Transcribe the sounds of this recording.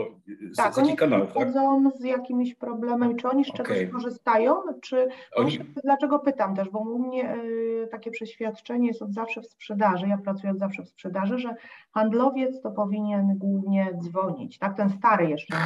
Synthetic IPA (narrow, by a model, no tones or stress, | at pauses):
t̪akɔɲiaaɔd̪zɔ̃w̃zjakʲimʲɕpɾɔblɛmɛmʲit͡ʂɨɔɲiʂt͡ʂɛɡɔkɔʐɘst̪ajɔ̃w̃t͡ʂɘ | d̪lat͡ʂɛɡɔpɘt̪amt̪ɛʐbɔmumɲɛt̪akʲɛpʂɛɕfʲjat̪t͡ʂɛɲɛjsɔzafʂɛfspʂɛd̪aʐɨjapɾat̪sujɛzafʂɛfspʂɛd̪aʐɛʐɛxand̪lɔvʲjɛt̪st̪ɔpɔvʲiɲɛnɡwuvɲɛd̪zvɔɲḭt͡ɕt̪ak̚t̪ɛnst̪aɾɘjɛʂt͡ʂɛ